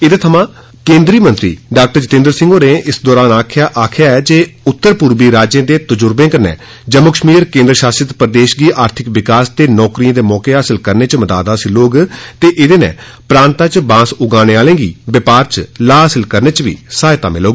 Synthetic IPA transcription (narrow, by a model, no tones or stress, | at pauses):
ɪd̪eːt̪ʰəmãː | kẽːnd̪ɾiːmənt̪ɾḭːɖaːk̚ʈəɾd͡ʒət̪ẽːnd̪əɾsɪŋɡoːneːʔɪsd̪ɔːɾaːnaːkʰjaːʔaːkʰjaːɛːd͡ʒeːʊt̪ːəɾpʊɾbiːɾaːd͡ʒjẽːd̪eːt̪əd͡ʒʊɾbẽːkəɾnɛ̰ː | d͡ʒəmːʊkəʃmiːɾkẽːnd̪ɾəʃaːsɾɪt̪pəɾəd̪eːʃɡiːʔaːɾt̪ʰɪkʋɪkaːst̪eːnɔːkɾijãːd̪eːmɔːkeːɦaːsəlkəɾneːt͡ʃməd̪a̰ːd̪ãːsiːloːɡt̪eːʔɪd̪eːnɛ̰̃ː | pɾãːnt̪ãːt͡ʃbãːsʊɡãːñeːaːlẽːɡḭːbɪpaːɾt͡ʃlaːɦaːsɪlkəɾneːt͡ʃʋḭːsaːɪt̪a̰ːmɪ̰loːɡ